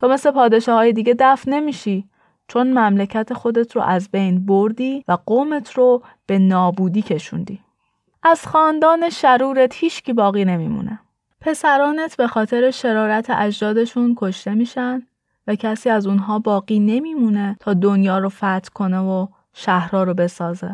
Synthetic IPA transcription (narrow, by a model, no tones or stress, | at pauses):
t̪ʰɒːme̞slepʰɒːd̪e̞ʃɒːhɒːjed̪iːɟe̞d̪æfne̞miːʃiː | t͡ʃʰo̞nmæmlecʰæt̪ʰe̞xo̞d̪e̞t̪ʰɾo̰ʔæzbe̞jnboɾd̪iːvæɡoːme̞t̪ʰɾo | b̥e̞nɒːbuːd̪iːcʰe̞ʃṵːnd̪iː | ʔæz̥xɒːnd̪ɒːne̞ʃæɾuːɾe̞t̪hiːʃcʰiːbɒːɣiːne̞mḭːmṵnʔḛ | pʰe̞sæɾɒːnet̪ʰbe̞xɒːt̪ʰe̞ɾeʃe̞ɾɒːɾæt̪ʰḛʔæʒd̪ɒːd̪e̞ʃunkʰo̞ʃt̪e̞miːʃænd̪ | væcʰæsiːæzunɦɒːbɒːɣiːne̞miːmune̞t̪ʰɒːd̪onjɒːɾofæt̪ʰkʰo̞nevo | ʃæhɾɒːɾobe̞sɒːzḛ